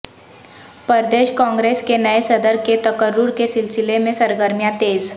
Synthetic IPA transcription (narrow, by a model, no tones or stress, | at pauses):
pəɾd̪eʃkɔ̃ŋɡɾeskenəesəd̪əɾket̪əkəɾːuɾkesilsilemẽsəɾɡəɾmjat̪eːd͡z